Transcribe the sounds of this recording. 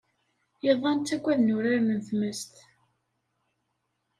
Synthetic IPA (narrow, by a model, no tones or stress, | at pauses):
jəðˤɑnt̪ːæɡʷæðnʊɾaɾmənθməst̪